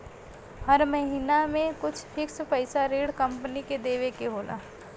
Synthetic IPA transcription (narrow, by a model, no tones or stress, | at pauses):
hɐɾmɐɦiːnamẽkʊt͡ʃʰhʰɪkspɐɪsaɾeːɽkɐ̃mpniked̪eːʋekeɦoːlʔa̰ː